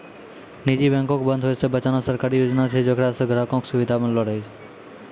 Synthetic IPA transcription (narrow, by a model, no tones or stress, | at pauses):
nid͡ʒibɛ̃ŋkokbə̃nd̪ʱɦojsebət͡ʃanosəɾkaɾijod͡ʒnat͡ʃʰed͡ʒokɾasəɡʱɾakɔ̃ksuʋid̪ʱapənlɔɽajt͡ʃʰe